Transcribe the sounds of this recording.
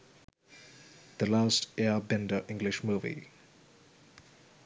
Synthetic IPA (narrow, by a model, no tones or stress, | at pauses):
d̪̥əlaːsʈɛəbɛ̃ndəʔɪ̃ŋɡlɪʃmuːvḭ